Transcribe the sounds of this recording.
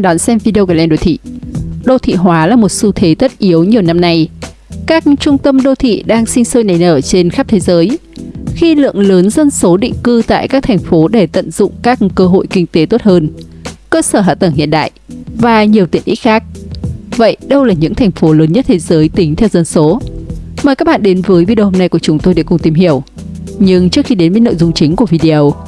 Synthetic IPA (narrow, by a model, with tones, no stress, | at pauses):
ɗɔ˨˦nsɛ˧mvi˧ɗi˧ə˧wɣa˨˩lʔɛ˧nɗo˧˩wt̪ʰḭ˧˨ɗo˧t̪ʰḭ˧˨ɦwaː˨˦laː˨˩mo˨˩t̚su˧t̪ʰe˨˦t̪ə˦˥t̚ʔi˨˦əwɲi˨˩əwna˧mna˧jkaː˦˥k̚t͡ɕʊ˧ŋ͡mt̪ə˧mɗo˧˩t̪ʰḭ˧˨ɗaː˧ŋsï˧ŋ̟səː˧jna˨˩jnəː˧˩t͡ɕe˧nxaː˦˥t̪ʰe˨˦zəː˨˦jxi˧lɨ̰˧˨əŋləː˨˦nzə˧nso˨˦ɗḭ˧˨ŋkɨ˧t̪a̰ː˧˨jkaː˦˥k̚t̪ʰŋ̟fo˨˦ɗe˧˩t̪ə̰˧˨nzʊ̰˧˨ŋ͡mkaː˦˥k̚kəː˧ɦo̰˧˨jkï˧ŋ̟t̪e˨˦t̪o˦˥t̚həː˧nkəː˧səː˧˩ɦa̰ː˧˨t̪ə˧˩ŋhḭ˧˨ənɗa̰ː˧˨jvaː˨˩ɲi˨˩əwt̪i˨˧˩əʔḭ˦˥t̚xaː˦˥k̚və̰˧˨jɗə˧wlaː˨˩ɲɨ̰˧˥ŋt̪ʰɛ˨˩jŋ̟fo˨˦ləː˨˦nɲə˦˥t̚t̪ʰe˨˦zəː˨˦jt̪ï˨˦ŋt̪ʰɛ˧wzə˧nso˨˦maː˨˩kaː˦˥k̚ɓa̰ː˧˨nɗe˨˦nvəː˨˦jvi˧ɗho˧mna˧jku˧˩ə˩t͡ɕʊ˨˦ŋ͡mt̪o˧jɗa̰˧˩kʊ˨˩ŋ͡mt̪i˨˧˩mɦi˧˩əw | ɲɨ˧ŋt͡ɕɨ˦˥ək̚xi˧ɗe˨˦nvəː˨˦no̰˧˨jzʊ˧ŋ͡mt͡ɕï˨˦ŋ̟ku˧˩əvi˧ɗi˧ʔə˧w